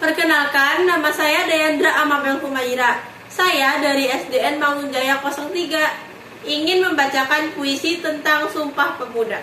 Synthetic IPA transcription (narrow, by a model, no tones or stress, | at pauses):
t̪ərkənalkanːamasajadajand̪ɾaʔamabɛŋkumaiɾa | sajadaɾiɛsdɛɛnmaŋund͡ʒajakɔsɔŋt̪iɡa | iŋɪnməmbat͡ʃakanpuisit̪ənt̪aŋsumpahpəbuda